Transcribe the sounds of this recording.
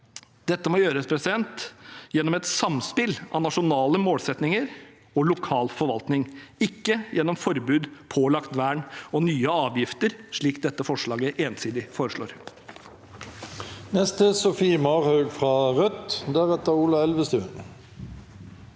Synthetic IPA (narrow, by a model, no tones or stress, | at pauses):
d̪̥ɛt̪ːəmɔjøːɾəspʰɾɛsɪd̪ɛnt̪jɛnːɔmɛt̪sɑmspɪlʔɑ̰nɑʂʊnɑːləmoːlsɛt̪nɪŋəɾ | ɔlʊkʰɑːlfɔɾʋɑlt̪nɪŋɪkːəjʔɛnːɔmfɔɾbʉːd̪pʰɔlɑkt̪ʋæːɳɔnyːəɑːʋjɪft̪əɾʂɭiːkd̪ɛt̪ːəfɔʂɭɑːɡəʔeːnsiːd̪ɪfoːɾəʂɭo̰ːɾ | nɛst̪əsɔfimɑʁhœʉɡfʁɑːʁœt̪d̪æʁɛt̪əuːlɑɛlʋəst̪ʉːə̰n